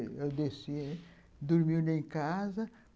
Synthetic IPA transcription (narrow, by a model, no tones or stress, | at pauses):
ewd̪esi | d̪uɾmiwnẽj̃kazɐ